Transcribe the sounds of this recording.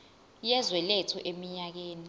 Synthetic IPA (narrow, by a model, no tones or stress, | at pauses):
jɛzwɛlɛtʰɔʔemiɲak̬eːni